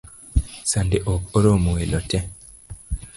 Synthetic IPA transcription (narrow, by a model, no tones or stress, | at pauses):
sandeʔɔkɔɾomowelɔtɛ